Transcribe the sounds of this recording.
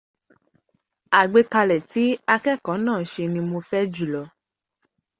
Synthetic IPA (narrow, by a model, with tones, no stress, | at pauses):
a˨ɡ͡be˨˧ka˧lɛ˨ti˨˦a˧kɛ˦˨kã˨˦nãː˦˨ʃe˧nĩ˧mo˧fɛ˦d͡ʒu˦˨lɔ˨˦